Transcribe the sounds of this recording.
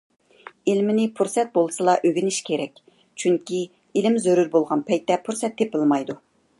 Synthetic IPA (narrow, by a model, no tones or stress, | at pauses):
ilmɪnɪpʰuɾsɛt̪̚bolˠsɨlˠɑʔøɡʲinɪʃkʲʰeɾɛkʲ | t͡ʃʰyŋkʲi | ilɪmzøɾuɾbolˠʁɑnpʰɛjt̪ːɛpʰuɾsɛt̪ʰːepɪlˠmɑjd̪u